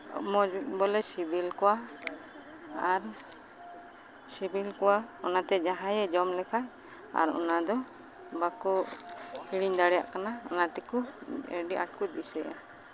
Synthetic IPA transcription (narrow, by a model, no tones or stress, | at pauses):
mɔbɔlɛsibilkɔwa | aɾ | sibilkɔwaɔnat̪ɛd͡ʒaɦãjɛd͡ʒɔmlɛkʰa | a̰ɾɔ̰nad̪ɔ | bakɔʔiɽiɲd̪aɽɛja̰ʔkanaɔ̰nat̪ɛkuɛ̰ɖiʔa̰ʈ̚kut̪̚bisɛʔa̰